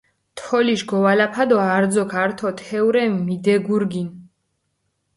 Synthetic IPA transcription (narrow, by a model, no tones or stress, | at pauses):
t̪ʰɔliʃɡɔvalapʰad̪ɔaɾd̪zɔkʰaɾt̪ʰɔt̪ʰɛuɾɛmmid̪ɛɡuɾɡin